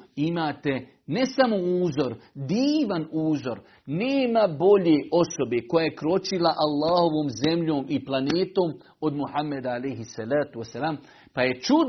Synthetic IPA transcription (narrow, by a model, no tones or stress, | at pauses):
imaːt̪e̞ | ne̞samo̞uːzo̞ɾd̪iːʋanuːzo̞ɾ | neːmabo̞ʎeʔo̞so̞be̞ko̞jajekɾo̞t͡ʃilaʔalˠːaːho̞ʋoːmzemʎoːmiplˠaneːt̪o̞ːm | o̞d̪muhamːed̪aalejɦisːalaːt̪uesalaːm | paje̞t͡ʃud̪